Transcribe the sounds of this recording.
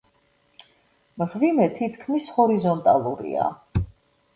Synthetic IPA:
mʁvimɛt̪ʰit̪ʰkʰmishɔɾizɔnt̪ʼalˠuɾḭa̰

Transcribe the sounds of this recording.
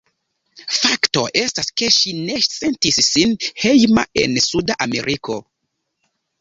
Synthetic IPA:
fakto̞ʔe̞staske̞ʃine̞se̞ntisːinhe̞jma̰e̞̰nsudaʔame̞̰ɾʔiko̞

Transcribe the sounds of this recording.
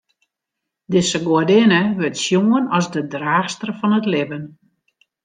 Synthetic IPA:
dɪsəɡoədɪnəʋɪtsjoənɔsdədraːxstərfɔnətlɪvən

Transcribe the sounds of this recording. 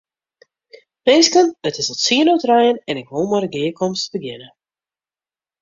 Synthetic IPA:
peskənətɪsɔtsiənotrɛjənɛnɪkʋolˠmaɾəɡɪːəkɔmstbəɡjɪnə

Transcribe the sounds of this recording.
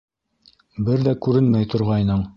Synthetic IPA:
bɘɾðækʉɾɘnmæjt̪ŏɾʁɑjnɤɴ

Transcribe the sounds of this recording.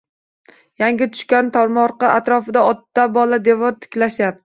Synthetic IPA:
jaŋɡʲɪt̪ʰʊ̥ʃkʲant̪ʰɒɾmɒɾqɨʔat̪ɾɒfɪd̪aɒt̪ːabɒlad̪e̞vɒɾt̪ʰɪ̥kʲlaʃap̚

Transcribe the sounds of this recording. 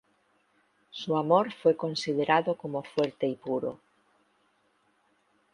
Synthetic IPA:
suamoɾfojkonsið̞eɾaðokomofweɾt̪eipuɾo̰

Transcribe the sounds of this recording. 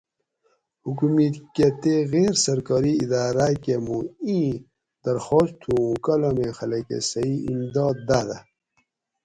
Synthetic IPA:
hukumit̪ket̪eɣeːɾsɐɾkɔɾiid̪aːɾaːkemũĩ | d̪ɐɾxoːst̪ʰũũkɐlomexɐlɐkḛsɐiimd̪ɑːd̪̚d̪aːd̪a

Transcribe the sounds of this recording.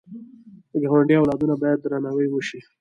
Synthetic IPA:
d̪əɡaɣwaɳɖiawlɑd̪unabɑjad̪̚ːɾanawəjwəʃi

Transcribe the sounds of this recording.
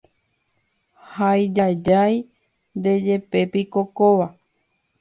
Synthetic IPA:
hajd͡ʒad͡ʒaj | nd̪e̞d͡ʒe̞pe̞pikokoʋa

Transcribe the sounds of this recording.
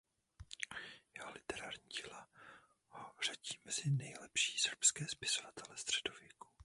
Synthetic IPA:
jɛɦolɪt̪ɛɾaːɾɲiːcila | hor̝̥aɟiːmɛzɪnɛjlɛpʃi̥ːsr̩pskɛːspɪsovat̪ʰɛlɛst̪r̥ɛdovjɛku̥

